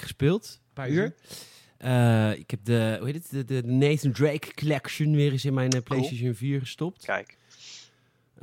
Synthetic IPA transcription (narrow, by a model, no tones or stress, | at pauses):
χə̥spɪːlˠt | paːɹyəɹ | ʔəɪ̰khɛp̚dəuhetətdədədəneːθəndɹejkːɔlɛkʃənʋɪːrɪsɪnmɛjnplejsteʃənviːɹχəstɔp̚tkɛk